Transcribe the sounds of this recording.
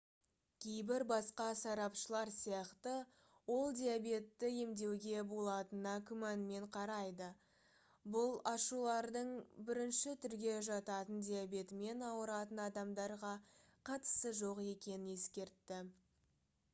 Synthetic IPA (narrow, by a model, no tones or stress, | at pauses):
kʲʰejbɪɾbɑsqɑsɑɾɑpʃəlˠɑɾsijɑqt̪ə | wo̞lˠd̪ʲijabe̞t̪ːɪje̞md̪e̞wɡʲe̞bo̞lˠɑt̪ənɑkʲʰʊmænme̞ɴqʰɑɾɑjd̪ə | bʊlˠɑʃulˠɑɾd̪əɴbɪɾɪnʃɪt̪ʰʏɾɡʲe̞ʒɑt̪ɑt̪ənd̪ʲijabe̞t̪ɪme̞nɑwəɾɑt̪ənɑd̪ɑmd̪ɑɾʁɑqʰɑt̪ə̥səʒo̞qe̞kʲe̞nɪnje̞skʲe̞ɾt̪ːɪ